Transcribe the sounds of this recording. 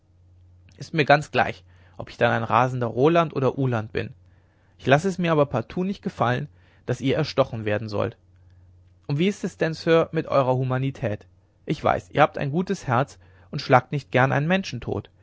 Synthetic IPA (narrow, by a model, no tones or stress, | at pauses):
ʔɪstmiːɐɡant͡sɡ̥la̰ɪç | ʔɔpɪ̥çd̥anaɪnʁaːzn̩dɐʁoːlantʔo̰ːdɐʔuːlant̚b̥ɪ̰n | ʔɪçlasəɛsmiːɐʔaːbɐpʰaɐtʰuːnɪçt̚ɡ̥əfalə̰n | d̥asʔiːɐɛɐʃtɔχn̩veːɐdn̩zɔ̰lt | ʔʊntv̥iːɪstɛsd̥ɛnsøːɐmɪtʔɔ̰ʏʁ̞ɐhumanitʰɛːt | ʔɪçv̥a̰ɪsʔiːɐhaːptʰa̰ɪnɡuːtəshɛɐt͡s | ʔʊntʃlaːk̚tnɪçt̚ɡ̥ɛɐnʔa̰nənmɛnʃn̩tʰo̰ːt